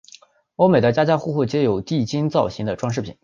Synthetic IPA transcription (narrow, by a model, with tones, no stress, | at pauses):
o˥ʊme˨˩ɪd̪ə˦t͡ɕja˥t͡ɕja˥xu˥˧xu˥˩t͡ɕjɛ˧˥jo˨˩ʊt̪i˥˩t͡ɕi˥ŋt͡sɑ˥˩ʊɕi˧˥ŋd̪ə˧ʈ͡ʂwɑ˥ŋʂɻ̩˥˩pʰi˨˩˦n